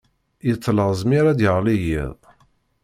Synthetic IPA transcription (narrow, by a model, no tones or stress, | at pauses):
jət͡sːləʁzˤmiɾad̪jəʁlijḭðˤ